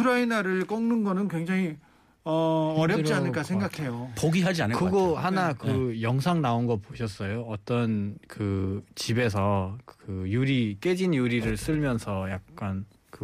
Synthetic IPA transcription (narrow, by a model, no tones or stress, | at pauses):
uɾainaɾɯɭk͈ʌŋnɯnɡʌnɯnkwe̞ŋd͡ʑaŋi | ʌʌɾjʌpt͡ɕ͈ianɯɭk͈asʰeŋɡakʰe̞jopoɡiɦad͡ʑiankɯɡohanakɯjʌŋs̬ʰaŋnaonɡʌpoɕʰʌs͈ʌjoʌt͈ʌnkɯt͡ɕibe̞sʰʌkɯjuɾik͈ed͡ʑinjuɾiɾɯɭs͈ɯɭmjʌnsʰʌjak̚k͈an | kɯ